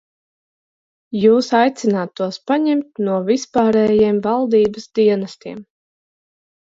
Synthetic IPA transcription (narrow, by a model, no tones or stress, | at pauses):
juːsajt̪sinaːt̪ːuɔspaɲɛmt̪̚nuɔvispaːɾɛːjiɛmvalˠd̪iːbəsd̪iɛnɐst̪iɛm